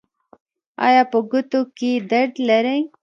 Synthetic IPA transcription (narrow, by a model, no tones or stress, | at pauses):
ɑ̰jɑpəɡʊt̪oked̪aɖ̪laɾej